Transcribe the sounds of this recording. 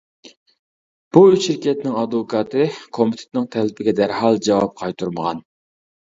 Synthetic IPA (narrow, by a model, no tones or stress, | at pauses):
b̥uyt͡ʃːiɾkʲʰɛt̪nɪŋɑd̪okʰɑt̪ʰɨkʰomɪt̪ʰɪ̥t̪nɪŋt̪ʰɛlɪpɪɡʲɛd̪æɾhɑlˠd͡ʒɑwɑp̚qʰɑjt̪ʰuɾməʁɑ̰n